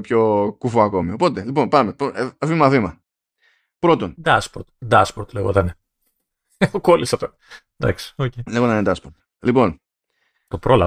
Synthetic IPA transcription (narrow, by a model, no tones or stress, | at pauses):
pço̞kufoako̞mio̞po̞t̪e̞lipo̞npɐme̞povimɐvimɐ | pɾo̞t̪ond̪ɐspoɾt̪d̪ɐspoɾt̪leɣoðɐne | eokolisɐt̪o | d̪ɐ̰ksi̥oceleɣoðɐned̪ɐspoɾt̪ | lipo̞n | t̪opɾolɐ